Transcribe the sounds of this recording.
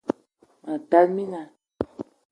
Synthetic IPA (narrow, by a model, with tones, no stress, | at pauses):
ã˨t̪a˦lmĩ˦nã˨